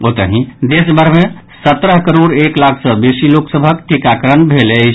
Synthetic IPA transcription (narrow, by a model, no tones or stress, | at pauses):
ot̪əɦĩd̪esbʱəɾmẽ | sət̪ɾəɦkəɾoɽeklakʰsəbesiloksəbʱəkʈʰikakɾənbʱelet͡ʃʰ